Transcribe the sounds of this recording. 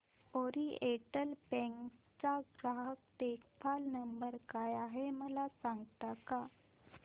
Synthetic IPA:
oɾieʈəlpɛ̃ŋk | t͡saɡɾaɦək̚t̪ekfalnəmbəɾkajaɦeməlasãŋɡt̪aka

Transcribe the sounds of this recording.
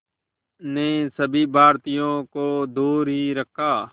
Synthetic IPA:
nẽːsəbʱiːbʱaːɾt̪ɪjõːkoːd̪oːɾɦiːɾəkʰːaː

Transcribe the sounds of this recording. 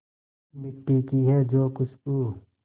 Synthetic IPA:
mɪʈːiːkiɦɛːd͡ʒoːkʊt͡ʃʰkuː

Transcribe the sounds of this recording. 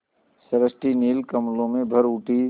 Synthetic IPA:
səɾəsʈiniːlkəmlõmẽbʱəɾuːʈi

